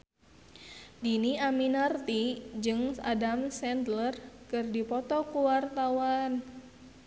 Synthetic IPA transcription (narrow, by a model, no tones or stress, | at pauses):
diniaminart̪id͡ʒɨŋsa̰damsɛndlərkɨrdipɔt̪ɔkuwart̪awan